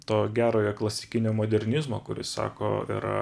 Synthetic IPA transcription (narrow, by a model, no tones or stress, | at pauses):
t̪oːɡʲæːɾoːjɛklˠɐsʲɪkʲɪnʲoːmoːd̪ʲɛɾʲnʲɪzmoːkʊɾʲɪ̰ssɑ̰ːko̰ːɪ̰ɾɐ̰